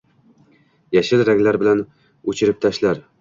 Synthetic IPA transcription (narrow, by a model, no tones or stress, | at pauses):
jaʃɪlɾaɡʲlaɾbɪlan | ɵt͡ʃʰɪɾɪp̚t̪ʰaʃlaɾ